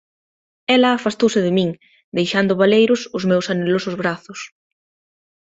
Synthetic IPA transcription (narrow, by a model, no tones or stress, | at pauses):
ɛlɐːfast̪owsɪðɪmĩŋ | d̪ejʃand̪ʊβalejɾʊsʊzmewsanelosʊzβɾaθʊs